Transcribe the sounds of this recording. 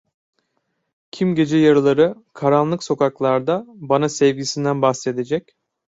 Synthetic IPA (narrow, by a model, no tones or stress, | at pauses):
cʰimɟe̞d͡ʒɛjaɾɯlˠaɾɯkʰaɾanlˠɯkso̞kaklˠaɾd̪abanasɛvɟisind̪ænbaxse̞d̪ed͡ʒɛc